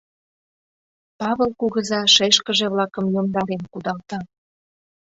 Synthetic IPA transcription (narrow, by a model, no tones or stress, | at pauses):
pɑβəlkuɣəzɑʃeʃkəʒeβlɑkə̆mjomd̪ɑɾenkud̪ɑlt̪ɑ